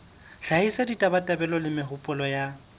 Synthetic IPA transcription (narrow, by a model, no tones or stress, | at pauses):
ɬahisaditʼabatʼabɛlɔlɪmɪɦʊpʼʊlɔja